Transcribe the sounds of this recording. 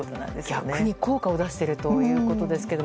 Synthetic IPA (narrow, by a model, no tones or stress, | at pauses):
ot̪ona̰nd̪eɡ̥ʲaankɯɲ̟iko̞ːkao̞d̪aɕi̥t̪e̞ɾɯ̟t̪o̞jɯ̟ːko̞t̪o̞d̪e̞sɨ̥ke̞d̪o̞